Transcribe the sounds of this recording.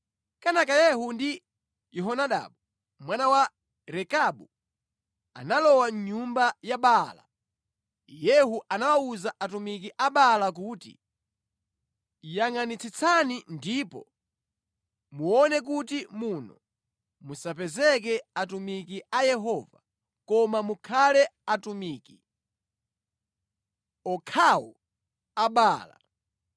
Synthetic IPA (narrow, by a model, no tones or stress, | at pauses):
kanakajɛɦundi | jɛɦɔnaɗa̰ɓu | mwanawa | ɾɛkaɓu | a̰nalɔwaɲɲumbajaɓala̰ | jɛɦuʔanawauzaʔatumik̬iʔaɓalak̬uːtḭ | jaŋanit͡sʰit͡sʰanindipɔ̰ | muɔnɛk̬utimunɔ | musapɛzɛk̬ɛatumikiʔajɛɦɔva | kɔmamukʰalɛatumiːki | ɔkʰawɔ̰ | aɓaːla̰